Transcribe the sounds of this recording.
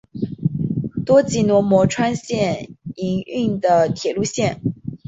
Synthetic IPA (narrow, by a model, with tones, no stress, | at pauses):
t̪wɔ˥t͡ɕi˧˥nwɔ˧˥mwɔ˧˥ʈ͡ʂʰwa˥nɕjɛ˥˩ni˧˥ŋy˥˩ŋd̪ə˩t̪ʰjɛ˨˩lu˥˧ɕjɛ˥˩n